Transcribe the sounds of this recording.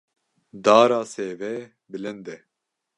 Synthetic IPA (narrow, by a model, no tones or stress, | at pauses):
d̪aːɾaːseːvɛ | bɨlɪnd̪ɛ